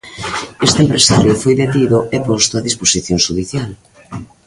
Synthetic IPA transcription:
est̪empɾesaɾjofojðet̪iðoepost̪oaðisposiθjoŋʃuðiθjal

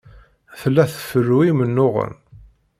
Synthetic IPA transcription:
θəlːæθə̥fərːuimənːoʁə̰n

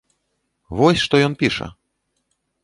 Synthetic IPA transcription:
vɔsʲʂt̪ɔjɔnpʲiʂɐ̰

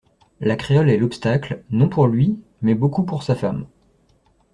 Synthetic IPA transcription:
lakχeɔlɛlɔpst̪aklnɔ̃puʁlɥi | mɛbokupuʁsafam

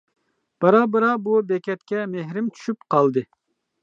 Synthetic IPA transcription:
b̥ɑɾɑːbɨɾɑbubɛkʲɛt̪kʲɛmeɦɾɪmt͡ʃʰy̥ʃypqʰɑlˠd̪ɨ

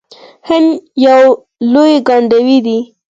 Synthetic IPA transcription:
hɪnjaw | lojɡɑɳɖawid̪i

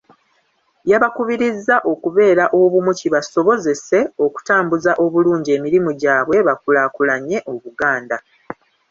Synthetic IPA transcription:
jaβakuβiɾizːaʔo̞kuβe̞ːɾaʔo̞βumuciβaso̞βo̞ze̞se̞o̞ku̥taːmbuzaʔo̞βuluːɲɟe̞ːmiɾimuɟaːβwe̞βakulakulaɲe̞ʔo̞βuɡaːnda

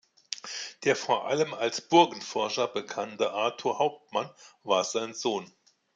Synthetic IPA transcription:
d̥eːɐfoːɐʔa̰ləmalsb̥ʊɐɡn̩fɔɐʃɐbəkʰantəʔaɐtʰuːhaʊp̚tmanvaːɐzaɪnzoːn

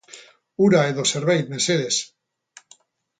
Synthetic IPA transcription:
uɾaeðoseɾβejt̪meseðes

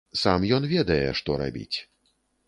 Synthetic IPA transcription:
samjɔnvʲɛd̪ɐjɛ̰ʂt̪ɔɾa̰bʲḭt͡sʲ

